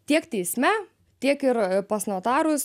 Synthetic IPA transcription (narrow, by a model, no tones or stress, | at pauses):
t̪ʲiɛkt̪ʲɛɪsʲmʲɛ | t̪ʲiɛkɪɾpɐsnoːt̪ɑːɾʊs